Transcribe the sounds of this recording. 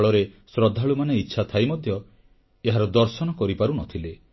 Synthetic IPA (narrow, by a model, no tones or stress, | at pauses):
ɭɔɾesɾɔd̪ʱːaɭumaneitːʃʰat̪ʰajmɔd̪ʱjɔ | eɦaɾɔd̪ɔɾsɔnɔkɔɾipaɾunɔt̪ʰile